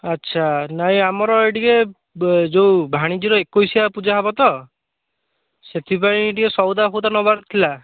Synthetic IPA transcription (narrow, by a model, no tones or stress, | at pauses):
atːʃʰanaĩamɔɾɔeʈike | d͡ʒewbʱaɽ̃id͡ʒiɾɔekojsiapud͡ʒaɦabɔt̪ɔ | set̪ʰipãĩʈiesɔwd̪aɦowd̪anɔbaɾt̪ʰila